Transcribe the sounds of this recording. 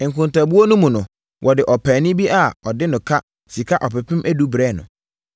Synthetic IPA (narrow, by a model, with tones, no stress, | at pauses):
ŋ̩˨kʰʊ̃˨nta˨bu˦o˦nʊ̃˦mũ˨nʊ̃˨ | wʔɔ˨dɪ˨ʔɔ˨pʰæ˨nɪ̃˦bi˦ʔa˦˨ɔ˨dɪ˦nʊ̃˨kʰa˦ | si˨kʰa˦ʔɔ˨pɪ˨pʰɪ̃˦mʔæ˦du˦bɾɛː˦˨nʊ̰̃˨